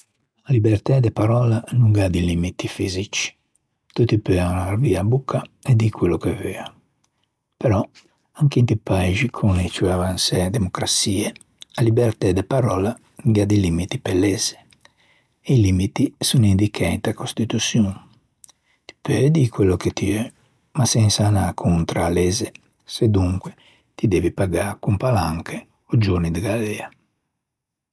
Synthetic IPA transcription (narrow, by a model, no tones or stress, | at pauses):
alibɛrt̪ɛd̪epaɾɔlanuŋɡad̪ilimit̪ifizit͡ʃi̥ | t̪ut̪ipøanaɾviabukʰːaɛd̪ikwelokevøːa | pɛɾɔ | aŋkint̪ipaeʒikʰunet͡ʃuavansɛd̪emokɾat̪siːe | alibɛɾt̪ɛd̪epaɾɔːla | ɡad̪ilimit̪ipelːɛze̥ | ɛilimit̪isunind̪ikʰɛnt̪akost̪it̪usjun | t̪i̥pɛd̪ikwɛlːoket̪iø | masɛnsanakʰunt̪ɾalɛːze | sed̪uŋkwe | t̪id̪eːvipaɡaɾkumpalaŋkʰe | od͡ʒonid̪eɡalɛa